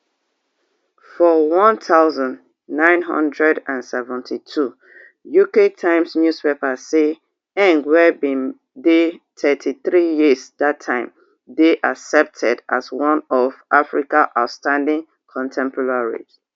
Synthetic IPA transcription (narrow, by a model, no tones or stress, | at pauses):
fɔwɔ̃ntʰaʊzɔ̃n | nãɪ̃nɦʌ̰̃ndɹɛdãnsɛvɛ̃ntʰitʰu | juketʰãɪ̃msnjuspepase | ɛ̃ŋɡwɛbĩn | detʰɛtʰiθɹijizdatʰːãɪ̃m | deʔasɛp̚tʰɛdaswɔ̃nɔvʔafɹikaʔaʊtstãndĩŋ | kʰɔ̃ntʰɛ̃mpʰɔɹaɹḭs